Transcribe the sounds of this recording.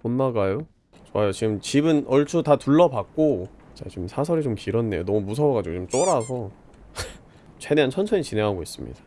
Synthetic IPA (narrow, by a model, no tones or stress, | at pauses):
onːaɡajo | t͡ɕowajot͡ɕiɡɯmt͡ɕibɯnʔʌɭt͡ɕʰutatuɭːʌbak̚k͈o | t͡ɕat͡ɕimsʰasʰʌɾit͡ɕomkiɾʌnːe̞jonʌmumusʰʌwʌɡad͡ʑiɡot͡ɕomt͡ɕ͈oɾasʰʌ | t͡ɕeneant͡ɕʰʌnsʰʌit͡ɕinɦe̞ŋɦaɡois͈ɯmɲḭd̥ḁ